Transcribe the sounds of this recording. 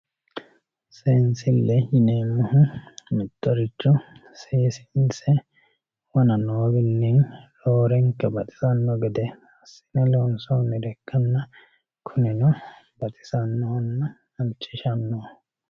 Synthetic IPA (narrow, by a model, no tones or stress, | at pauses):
seːnsɪlːɛɪneːmːʊhʊmɪt̪ːɔɾɪt͡ʃːʊseːsɪ̥nsɛ | wɐnɐnoːɡɪnːinloːɾɛŋkːɐbɐt̪ʼɪ̥sɐnːɔɡɛd̪ɛ | ɐsːɪ̥nɐlonsoːnːɪd̪ɛkːɐnːɐ | kʰʊnɪnɔbɐt̪ʼɪ̥sɐnːɔhɐnːɐ | ɐnt͡ʃːɪʃɐnːoː